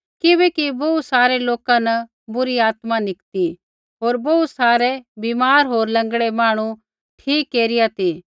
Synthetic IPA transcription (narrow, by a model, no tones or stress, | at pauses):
kɪbɛkiboːusaːɾeloːkãnɐ | bʊɾiaːt̪manɪkt̪i | ɦoːɾbousaːɾebiːmaːɾɦoːɾlɐ̃ŋɡɽemaːɽ̃ũ | ʈʰiːkːeːɾɪjat̪iː